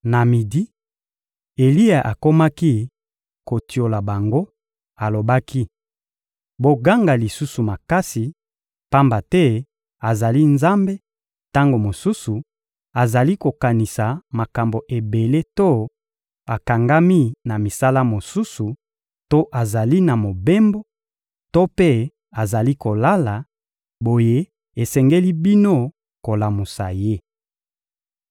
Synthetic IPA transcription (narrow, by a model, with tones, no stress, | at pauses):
na˨mi˨di˦ | e˨li˦a˨ʔa˨ko˦ma˦ki˦ | ko˨ti˨o˨la˨ba˨ŋɡo˦ | a˨lo˨ba˦kʰi˦ | bo˨ɡa˦ŋɡa˨li˨su˦su˨ma˨ka˦si˨ | pa˦mba˨tɛ˦ | a˨za˨li˦nza˦mbe˦ | ta˦ŋɡo˨mo˨su˦su˨ | a˨za˨li˦ko˨ka˨ni˨sa˨ma˨ka˨mbo˨ʔe˨be˨le˦to˦ | a˨ka˨ŋɡa˦mi˦na˨mi˨sa˦la˦mo˨su˦su˨ | to˦ʔa˨za˨li˦na˨mo˨be˦mbo˦ | to˦pe˦ | a˨za˨li˦ko˨la˦la˨ | bo˨je˦ | e˨sɛ˨ŋɡe˦li˦bi˦no˦ | ko˨la˨mu˨sa˨je˦